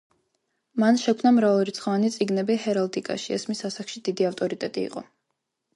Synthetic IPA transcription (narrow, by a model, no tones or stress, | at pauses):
manʃɛkʰmnamɾavaɾit̪sʰχɔvanit̪sʼiɡnɛbihɛɾalt̪ʼikʼa̰ʃiɛ̰smisasakʰʃid̪̥id̪iaft̪ʼɔɾit̪ʼɛt̪ʼḭːqʼɔ̰